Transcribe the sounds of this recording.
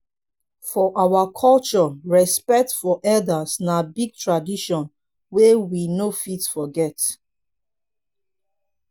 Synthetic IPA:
fɔʔawakʰɔlt͡ʃɔɹɛspɛk̚tfɔʔɛldasnabiɡ̚tʰɹadiʃɔ̃n | wewinofitfɔɡɛt

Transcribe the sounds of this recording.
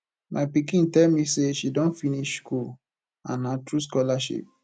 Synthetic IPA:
mʔapikĩntɛlmiseʃidõnfiniʃskul | ãnatɹus̬kɔlaʃḭp̚

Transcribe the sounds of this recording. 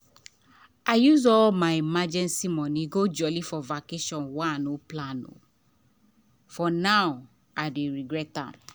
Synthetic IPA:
aɪjuzɔlmaɪimad͡ʒɛ̃nsimɔniɡod͡ʒɔlifɔvakeʃɔ̃nwãanoplãno̰ | fɔnaʊ | aɪdeɹiɡɹɛtã̰m

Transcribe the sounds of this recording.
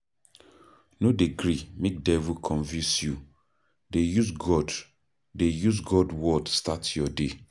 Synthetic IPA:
nodeɡɾimek̚dɛvukʰɔ̃nvĩnsju | dejuzɡɔd | dejuzɡɔdwɔdstatjɔde

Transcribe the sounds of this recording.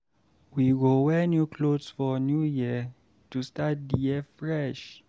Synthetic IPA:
wiɡowɛnjukʰlodsfɔnjujiə | tustat̚dijɛfɹɛʃ

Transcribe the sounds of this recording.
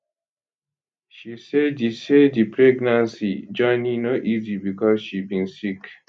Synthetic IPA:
ʃiseddisedipʰɹɛɡnãnsid͡ʒɔ̃ɪnĩnoʔizibikɔzʃibĩnsik

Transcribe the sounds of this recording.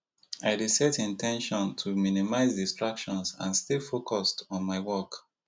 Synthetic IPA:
aɪdisɛtĩntʰɛ̃nʃɔ̃ntʰuminimaɪzdistɹakʃɔ̃nsã̰nstifokʰɔstɔ̃nmaɪwɔk

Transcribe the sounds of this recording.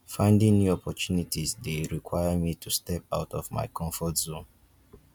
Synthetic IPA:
fãɪ̃ndɪ̃ŋnjuɔpɔt͡ʃunitizdeɹikwajamitʰustɛp̚aʊtɔvma̰ɪkʰɔ̃ɱfɔtzõn

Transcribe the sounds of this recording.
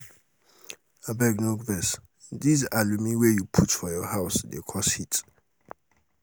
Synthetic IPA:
abɛɡnoɡvɛs | dizalumiwɛjupʰutfɔjɔhaʊsdḛkʰɔshit

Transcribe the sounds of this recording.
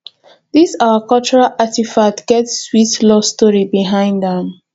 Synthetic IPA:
ðisawəkɔlt͡ʃɔɹalʔatifatɡ̥ɛtsːwitlɔstɔɹibiɦãɪ̃ndãm

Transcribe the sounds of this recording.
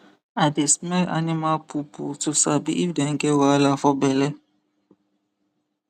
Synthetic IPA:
adesmɛa̰nimalpʰupṵtusabḭʔifdɛŋɡɛwalafɔbɛlɛ

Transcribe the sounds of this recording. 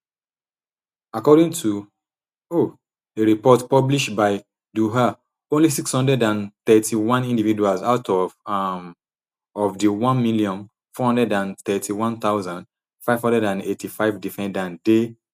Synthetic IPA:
akɔɾĩŋtʰu | o | deɹipɔtpɔbliʃtbaɪ | duɦa | õnlisikshɔ̃ndɛdãnθɛtʰiwɔ̃nĩndivid͡ʒualsaʊtɔv | ɔvdiwɔ̃nmiliɔ̃n | fɔhɔ̃ndɹɛdãnθɛtʰiwɔ̃nt̪aʊzãnd | faɪvhɔ̃ndɛdãnetʰifaɪvdifɛ̃ndãnde

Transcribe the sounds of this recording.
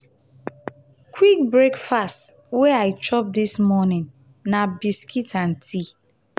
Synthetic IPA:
kʰwik̚bɹekfast | wɛaɪt͡ʃɔp̚dismɔnɪ̃n | nabiskʰitʰãntʰi

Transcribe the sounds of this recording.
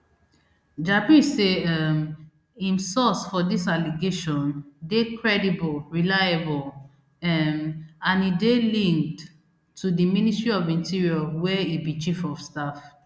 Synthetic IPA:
d͡ʒapiseɛm | ĩmsɔsfɔdisaliɡeʃɔ̃ndekɹɛdibɔlɹilajabɔl | ɛmãnidelĩŋk̚tʰː | udimĩnistɹiɔvĩntiɹiɔwɛibit͡ʃifɔvstaf

